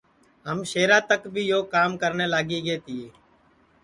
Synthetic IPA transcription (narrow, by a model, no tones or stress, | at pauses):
ɦəmʃeːɾãːt̪əkbʱiːjoːkaːmkəɾneːlaːɡiːɡeːt̪ɪːeː